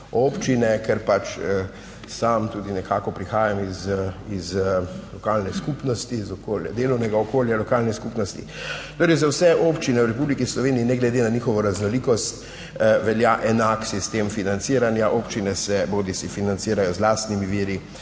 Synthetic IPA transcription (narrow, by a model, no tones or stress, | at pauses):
oːpt͡ʃinɛkɛɾpat͡ʃə | samt̪uːd̪inɛkʰaːkɔpɾixaːjamizizlɔkaːlnɛskupnɔst̪izɔkoːlja̰d̪eːlɔwnɛɡaɔkoːljalɔkaːlnɛskupnɔst̪ḭ | t̪oːɾɛjzawsɛʔoːpt͡ʃinɛwɾɛpublikislɔʋeːniinɛɡlɛd̪enaniːxɔʋɔɾaznɔliːkɔst̪ | ʋɛljaʔɛnaksist̪eːmfinant̪siːɾanjaʔopt͡ʃinɛsɛboːd̪isifinant̪siːɾajɔzlaːst̪nimiʋiːɾi